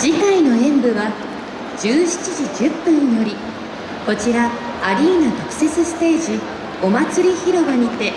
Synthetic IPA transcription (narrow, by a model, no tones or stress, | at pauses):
d͡ʑikaino̞ẽ̞mbɯ̟βa | d͡ʑɨːɕi̥t͡ɕiʑid͡ʑɨpːɯ̟̃ɲ̟ijo̞ɾʲi | ko̞t͡ɕiɾaː | ɾʲiːnat̪o̞kɯ̟̥se̞t͡sɨsɨ̥t̪e̞ːʑi | o̞mat͡sɨɾʲiçiɾo̞baɲ̟it̪e̞